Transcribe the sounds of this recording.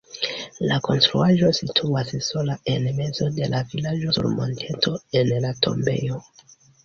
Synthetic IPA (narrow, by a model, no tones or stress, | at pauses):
lako̞nstɾuaʒo̞sitʰuasso̞lae̞nme̞zo̞de̞lavilad͡ʒo̞sṵɾmo̞̰ntʰe̞ntʰo̞enlatʰo̞̰mbe̞̰jo̞